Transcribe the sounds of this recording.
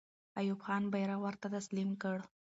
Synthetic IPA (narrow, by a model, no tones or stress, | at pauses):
ajubxɑnbajɾawəɾt̪at̪aslimkəɽ